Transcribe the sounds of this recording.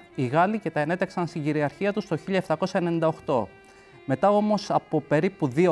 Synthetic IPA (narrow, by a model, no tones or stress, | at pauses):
iɣɐlice̞t̪ɐe̞ne̞t̪eksɐnst̪iɲɟiɾiɐɾçiɐt̪ust̪o̞çiʎɐeft̪ɐko̞sɐe̞nenind̪ɐoxt̪o̞ | me̞t̪ɐo̞mo̞sɐpo̞pe̞ɾipuðio